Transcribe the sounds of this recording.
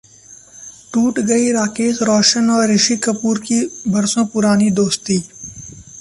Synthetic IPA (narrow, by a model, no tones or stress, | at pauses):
ʈuːʈɡɐiɾaːkeːzɾɔːʃənɔːɾːɪʃikɐpuːɾkibɐɾsõpʊɾaːnid̪oːst̪iː